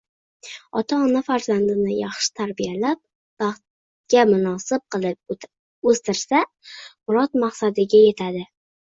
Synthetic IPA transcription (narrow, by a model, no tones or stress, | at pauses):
ɒt̪ʰaɒnafaɾzand̪ɪnɪjɑχʃɪ̥t̪ʰaɾbijalap̚ | b̥ɑχt̪̚ | ɡʲamʊnɒsɪp̚qʰɨlˠɪp̚ | ɵst̪ɪɾsa | mʊɾɒt̪maqsad̪ɪɡʲaje̞t̪ʰad̪ɪ